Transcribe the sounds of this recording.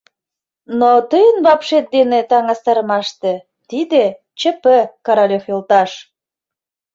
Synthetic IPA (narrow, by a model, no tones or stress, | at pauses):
not̪əjənβɑpʃet̪̚d̪enet̪ɑŋɑst̪ɑɾəmɑʃt̪e | t̪id̪e | t͡ɕə̆pəkɑɾɑlʲoxolt̪ɑʃ